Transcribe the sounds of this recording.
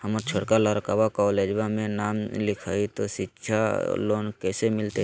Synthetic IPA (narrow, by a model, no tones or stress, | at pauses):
həməɾt͡ʃʰəɽkaləɾkaːbakɔːleːd͡ʒbãmẽnaːmlɪkʰaːit̪oʃɪtːʃʰa̰loːnkɛːsemɪlt̪e